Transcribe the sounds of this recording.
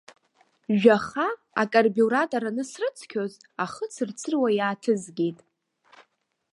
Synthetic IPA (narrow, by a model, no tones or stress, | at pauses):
ʒᶣaχa | akʼarbuɾatʼoɾanɨsrɨt͡sʰkʲʰoz | aχət͡sʰɨrt͡sʰɨrwajaːtʰɨzɡʲejtʼ